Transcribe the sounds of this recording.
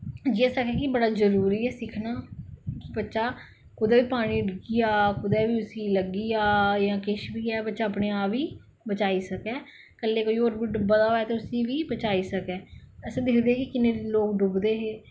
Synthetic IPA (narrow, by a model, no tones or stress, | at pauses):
d͡ʒiɛːsəkɛːkɪbəɽaːzəɾuːɾiːɛːsɪkʰnaːkɪbətːʃaː | kʊd̪ɛːʋiːpaːɽ̃iːɖɪɡiːaːkʊd̪ɛːʋiːʊsiːləɡiːaːjãːkɪʃbiːɛːbətːʃaːəpɽeːaːpiː | bət͡ʃaːiːsəkɛː | kəleːkoːiːoːɾbɪɖəbaːd̪aːoɛːt̪eːʊsĩːʋiːbət͡ʃaːiːsəkɛːɛsẽd̪ɪkʰd̪eːɛːkɪkɪneːloːk̚ɖʊbd̪eːɦeː